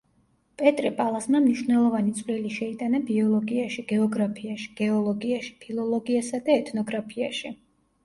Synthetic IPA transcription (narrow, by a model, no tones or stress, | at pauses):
pʼɛt̪ʼɾipʼalˠasmamniʃwnɛlˠɔvanit̪sʼvliliʃɛit̪ʼanabiɔlˠɔɡiaʃiɡ̥ɛɔɡɾapʰiaʃi̥ɡ̥ɛɔlˠɔɡiaʃi̥pʰilˠɔlˠɔɡiasad̪aɛt̪ʰnɔɡɾapʰia̰ʃi